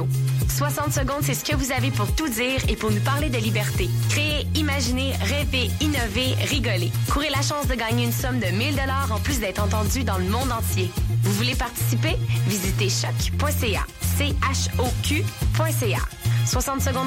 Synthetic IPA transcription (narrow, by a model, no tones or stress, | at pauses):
swasɑ̃t̪səɡɔ̃d̪sɛsə̥kəvuzavepuʁt̪ud͡ziːʁepuʁnupaʁled̪əlibɛʁt̪ekχeeimaʒine | ʁɛveinɔveʁiɡɔlekuʁelaʃɑ̃sd̪əɡɑːɲeynsɔmd̪əmild̪ɔlaːʁɑ̃plysd̪ɛːt̪χɑ̃t̪ɑ̃d͡zyd̪ɑ̃ləmɔ̃d̪ɑ̃tt͡sjevuvulepaʁt̪i̥sipevizit̪eʃɔkpwɛ̃sea̰ | seaʃokʰʲypwɛ̃sea̰swasɑ̃t̪səɡɔ̃